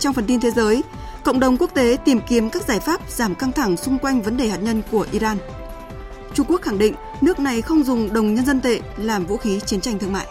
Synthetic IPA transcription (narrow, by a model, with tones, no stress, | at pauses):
t͡ɕɔ˧wŋ͡mfə˨˩nt̪i˧nt̪ʰe˨˦zəː˨˦j | kə̰˧˨wŋ͡mɗə˨˩wŋ͡mku˦˥ək̚t̪e˨˦t̪i˨˩mki˨˦əmkaː˦˥k̚zaː˧˩jfaː˦˥p̚zaː˧˩mka˧ŋt̪ʰa˧˩ŋsʊ˧ŋ͡mkwa˧jŋ̟və˨˦nɗe˨˩haː˨˩t̚ɲə˧nku˧˩əʔi˧zaː˧n | t͡ɕʊ˧ŋ͡mku˦˥ək̚xa˧˩ŋɗḭ̈˧˨ŋ̟ | nɨ˦˥ək̚na˨˩jxə˧wŋ͡mzʊ˨˩ŋ͡mɗə˨˩wŋ͡mɲə˧nzə˧nt̪ḛ˧˨laː˨˩mvṵ˧˥xi˨˦t͡ɕi˨˦nt͡ɕa˧jŋ̟t̪ɨ˧əŋma̰ː˧˨